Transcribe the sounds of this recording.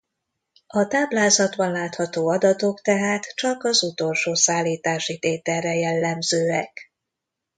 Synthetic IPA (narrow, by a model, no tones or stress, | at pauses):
ɒt̪aːblaːzɒd̪bɒnlaːt̪hɒt̪oːɒd̪ɒt̪o̞kt̪ɛɦaːt̪t͡ʃɒkɒzut̪o̞lʃoːsaːlːiːt̪aːʃit̪eːt̪ɛrːɛjɛlːɛmzøːɛk